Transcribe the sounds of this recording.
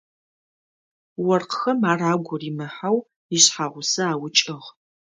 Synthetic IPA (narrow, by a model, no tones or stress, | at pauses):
wɐrqxɐmaːraːɡʷʊrimɨħaw | iɕħaʁʷʊsɐaːwʊt͡ʃʼɪʁ